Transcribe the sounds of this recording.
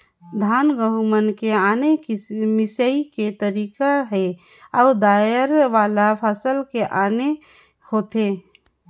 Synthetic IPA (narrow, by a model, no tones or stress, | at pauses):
d̪ʱaːnɡəɦumənkeaːnemɪsəiket̪əɾiːkaɦɛ | aːd̪aːjəɾʋaːlapʰəsəlkeʔaːne | hoːt̪e